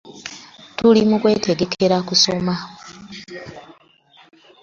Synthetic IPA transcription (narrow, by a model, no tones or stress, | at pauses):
tulimukwe̞ːtʰe̞ɡe̞kʰe̞ɾakuso̞ma